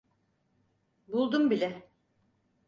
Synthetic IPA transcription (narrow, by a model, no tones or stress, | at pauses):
bulˠd̪umbilʲɛ